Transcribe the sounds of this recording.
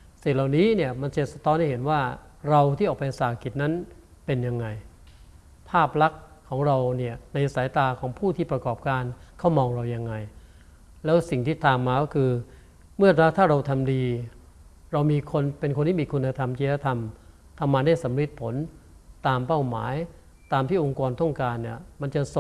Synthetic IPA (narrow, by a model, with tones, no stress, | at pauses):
si˨˩laː˨˩wniː˦˥ni˥˩ɐma˧nt͡ɕe˨˩t̪̚sa˧t̪ʰɔː˦˥nha˥˩jɦe˩˦nwaː˥˩ | ɾa˧wt̪ʰiː˥˩ʔɔː˨˩kpa˧sa˨˩a˧˩ki˨˩t̪̚na˦˥n | pe˧nja˧ŋːa˧j | pʰaː˥˩p̚la˦˥kʰːɔː˩˦ŋɾa˧wni˥˩ɐna˧jʔa˧˩sa˩˦jt̪aː˧kʰɔː˩˦ŋpʰuː˥˩t̪ʰiː˥˩pɾa˧kɔː˨˩p̚kaː˧nkʰa˦˥wmɔː˧ŋɾa˧wja˧ŋːa˧j | lɛː˦˥wsi˨˩ŋt̪ʰiː˥˩t̪aː˧mːaː˧kɔː˥˩kʰɯː˧ | mɯ˥˩ɐt̪a˦˥t̪ʰaː˥˩ɾa˧wt̪ʰa˧mdiː˧ | ɾa˧wmiː˧kʰo˧npe˧nkʰo˧nt̪i˥˩miː˧kʰu˧nːa˧t̪ʰa˧mt͡ɕiː˧ɾa˦˥t̪ʰa˧m | t̪ʰa˧mːaː˧da˥˩jsa˩˦mɾi˦˥t̪̚pʰo˩˦nt̪aː˧mpa˥˩wma̰ː˩˦j | t̪aː˧mt̪ʰiː˥˩ʔo˧ŋkɔː˧nt̪ɔ˥˩ŋkaː˧nːi˥˩ɐma˧nt͡ɕa˨˩s